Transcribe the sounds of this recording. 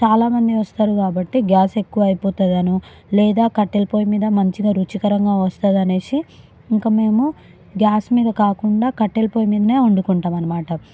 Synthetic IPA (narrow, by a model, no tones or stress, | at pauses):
t͡ʃaːlaːmɐnd̪iʋɐst̪aːɾukaːbɐʈːeɡjaːse̞kːuʋɐɐjpoːt̪ad̪ɐnu | lɛːd̪aːkɐʈːelipo̞ːjimiːd̪ɐmɐɲt͡ʃiɡaːɾut͡ʃikɐɾɐŋɡaːʋɐst̪aːd̪ɐneːsi | iŋkaːme̞ːmu | ɡʲjaːsmiːd̪ɐkaːkuɳɖaːkɐʈːelɐpoːjmiːd̪ɐneːuɳɖukuɳʈaːmɐnɐmaːʈɐ